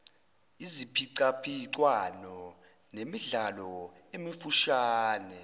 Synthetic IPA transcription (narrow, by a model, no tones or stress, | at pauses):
izipʰiǀapʰiǀwanɔ | nemiɮalɔ | emifuʃaːnɛ